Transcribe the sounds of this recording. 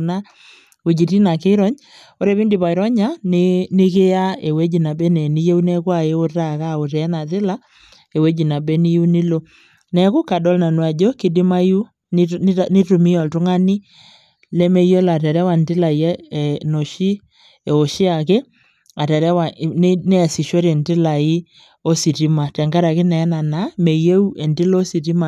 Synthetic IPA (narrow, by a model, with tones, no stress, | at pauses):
na˦ | o˨d͡ʒi˨ti˦na˨ke˦ɾɔ˨˦ɲ | o˦ɾe˦βi˦ndi˨βa˨i˨ɾɔ˦ɲa˦ne˦nɪ˦ke˦ja˦e˨we˦d͡ʒi˨na˨bɛ˦nɛ˨ni˦je˦u˦nɛ˦kwa˦˨e˦o˦ta˦˨ka˦˨o˨tɛ˨ɛ˦na˨tɪ˦la˦ | e˨we˦d͡ʒi˨na˨bɛ˦ni˦ju˦ni˦lo˦ | nɛ˨ku˦ka˨dɔ˦lna˨nwa˨d͡ʒo˦kɪ˦di˦ma˦ju˦ | nɪ˦tu˨mi˦ɔ˨lto˦ŋa˦ni˦ | lɛ˦me˦jo˦la˨tɛ˨ɾɛ˦wa˨ndɪ˦la˨i˨ɛ˦˨no˨ʃi˦ | e˨o˨ʃi˦a˨ke˦ | a˨tɛ˨ɾɛ˦wa˨n˦nɛ˦a˨si˨ʃo˦ɾe˨ndɪ˦la˨i˦ | o˦si˨ti˦ma˨tɛ˨ŋɡa˦ɾa˨ke˦nɛː˨˦na˨na˨˦me˨je˦u˦e˨ndɪ˦lo˦si˨ti˦ma˨